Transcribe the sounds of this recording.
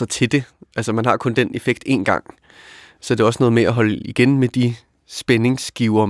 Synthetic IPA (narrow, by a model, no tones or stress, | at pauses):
ɐt͡sʰe̝d̥e̝ʔælsəmænɦɑ̈kʰɔ̽nd̥ene̝feɡ̥̚d̥e̝̰nɡ̥ɑ̈ŋ̰ | sɒd̥e̝æɒ̽sənɔ̽ːð̞̩ˠmeæɦɒ̽ləiɡ̥enmed̥i | sb̥ene̝ŋsɡ̥iʊɐ